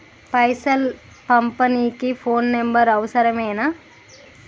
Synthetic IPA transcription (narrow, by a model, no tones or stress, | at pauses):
pɐjsɐl | pɐmpɐniːkipʰoːnːembɐɾɐʋɐsɐɾɐmeːna